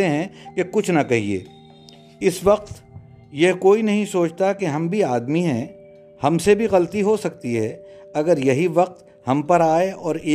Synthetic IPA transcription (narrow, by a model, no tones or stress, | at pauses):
eɦɛ̃kekʊt͡ʃʰnɐkɐɦiḛː | ɪsʋɐq̚t̪ | jeɦkoːinɐɦĩsoːt͡ʃt̪akeɦɐ̃mbʱiaːd̪miɦɛ̃ | hɐmsebʱiɣɐlt̪iɦosɐk̚t̪iɦɛː | ɐɡəɾjɐɦiʋɐq̚t̪ | hɐ̃mpɐɾaːeɔːɾeː